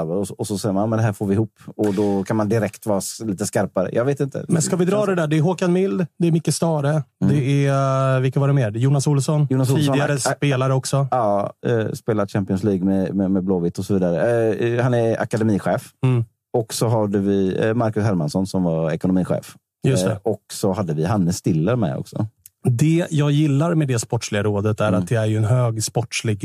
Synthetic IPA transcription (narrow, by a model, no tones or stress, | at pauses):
vəɾɔɔsɔsɛjəmanmɛnd̪ɛɦæːɾfoːɾvɪhuːpːɔd̪ɔkʰanmand̪ɪɾɛkt̪vɑːɾaliːt̪əskaɾpaɾə̰jʔɑ̰ːɡveːt̪ɪnt̪ə̰mɛnskavɪd̪ɾɑːd̪ɛd̪æːɖɛɛɾɦokanmɪld̪d̪ɛɾmʏkːəst̪ɑːɾəd̪ɛɛvɪkavɑɾɛmeːɾjuːnasuːlsɔnjuːnasuːiːd̪ɪɡaɾəspeːlaɾəɔksɔɑ̰ːspeːlad̪ɕæmpɪɔnsliːɡmɛmɛmɛbloːvɪt̪ːɔsɔviːd̪aɾəhanɛɾa̰kad̪ɛmiːɧeːf | ɔksɔɦad̪əvɪmaɾkɵshɛɾmansɔnsɔmvaɛkʊnʊmiːɧḛːf | jɵst̪ɛ̰ɔksɔɦad̪ːəvɪɦanːəst̪ɪlːəɾmɛ̰ɔ̰ksɔ̰ | d̪ɛjɑːɡjɪlːaɾmɛd̪ɛspɔʈːʂlɪɡaɾoːd̪ət̪æɾat̪̚d̪ɛæɾjɵɛnɦøːɡspɔʈʂlɪɡ